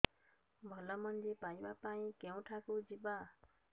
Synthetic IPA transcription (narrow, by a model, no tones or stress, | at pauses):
bʱʌlʌmʌndepajbapaĩkew̃ʈʰakod͡ziba